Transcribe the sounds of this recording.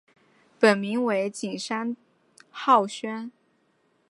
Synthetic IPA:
pə˨˩nmi˧˥ŋwe˧˥ɪt͡ɕi˨˩ŋʂa˥n | xɑ˥˩ʊɕɥɛ˥n

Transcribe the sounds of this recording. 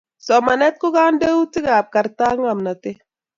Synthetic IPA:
sɔ˨ma˨nɛ˦t̚kʊ˦ɡa˦nde˦wu˦tɪ˦ɡa˨p̚ka˨ɾta˦ŋa˨mna˨tɪ˦

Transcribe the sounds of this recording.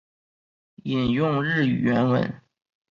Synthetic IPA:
i˨˩njʊ˥˧ŋɻɻ̩˥˩y̰˨˩ɥɛ˧˥nwə̰˧˥n

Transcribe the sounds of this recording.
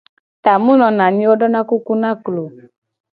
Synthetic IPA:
ta˨mũ˦nɔ̃˧nã˨ɲĩ˦ɔ˦dɔ˦nã˦ku˦ku˦nã˦klo˨

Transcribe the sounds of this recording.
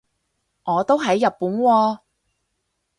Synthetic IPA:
ŋɔː˨˧t̪o˥wɦɐ˨˥jːɐ˨pːuː˨˥nwɔː˧

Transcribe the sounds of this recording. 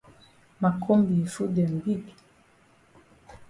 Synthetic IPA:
ma˨kʰo˦mbi˨fu˦dɛ˨ŋ˨ɡi˦ɡi˨

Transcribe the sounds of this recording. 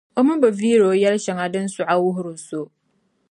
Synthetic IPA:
o˦mɪ˦bɨ˨viː˦ɾo˨˦jɛ˦lʃɪ˨ŋa˨dɨ˦n˦sʊ˨ʔa˦wʊ˦ɦʊ˦ɾʊ˨nso˦

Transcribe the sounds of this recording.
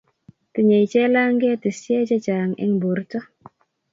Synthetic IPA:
tɪ˨ɲe˨jt͡ʃɛ˦la˦ŋɡɛ˦ti˨sjɛ˦t͡ʃɛ˦t͡ʃa˨ŋɛ̰˦ŋbo˨ɾtɔ˦

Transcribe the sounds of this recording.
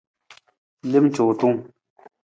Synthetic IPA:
le˥˨m̚t͡ɕo˨t̪o˥ŋ

